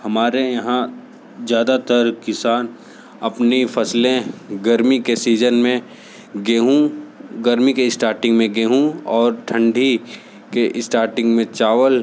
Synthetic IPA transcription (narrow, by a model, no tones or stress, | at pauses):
hɐmaːɾejɐɦã | zjaːd̪at̪əɾkɪsaːn | ɐpnifʰɐslẽɡɐɾmikesiːd͡ʒənmẽ | ɡeːɦũɡəɾmikeɪsʈaːɾʈɪ̃ŋɡmẽɡeːɦũɔːɾʈʰə̃ɳɖʱi | keʔɪsʈaːɾʈɪ̃ŋɡmẽt͡ʃaːʋəl